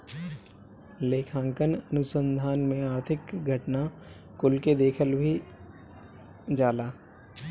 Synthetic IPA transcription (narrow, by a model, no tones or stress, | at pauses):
leːkʰãːŋkənənʊsə̃nd̪ʱaːnmẽaːɾt̪ʰɪkɡʱɐʈna | kʊlked̪eːkʰəlbʱi | d͡ʒaːlaː